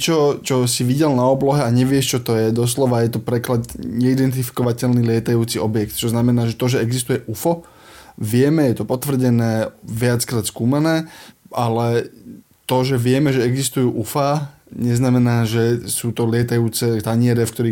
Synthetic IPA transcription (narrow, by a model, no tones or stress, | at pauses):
t͡ʃɔt͡ʃɔsiʋiɟɛlnaɔblɔɦɛaɲɛʋɪɛʃt͡ʃɔt̪ɔjɛd̪ɔs̬lɔʋajɛt̪ɔpɾɛklad̪ɲɛid̪ɛnt̪ifi̥kɔʋacɛlnilɪɛt̪ajuːt͡siʔɔbjɛkt̪t͡ʃɔznamɛnaːʒɛt̪ɔʒɛɛɡzist̪ujɛʔufɔ | ʋɪɛmɛjɛt̪ɔpɔt̪ʋr̩ɟɛnɛːʋɪat͡skɾaːt̪skuːmanɛːʔalɛ | t̪ɔʒɛʋɪɛmɛʒɛɛɡzist̪ujuːʔufaː | ɲɛznamɛnaːʒɛsuːt̪ɔlɪɛt̪ajuːt͡sɛt̪aɲɪɛɾɛfkt̪ɔɾiː